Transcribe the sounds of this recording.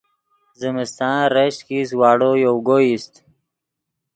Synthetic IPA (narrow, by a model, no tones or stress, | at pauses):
zɪmɪst̪ɑ̃ːɾeʃkiswɑːɽojowɡoist̪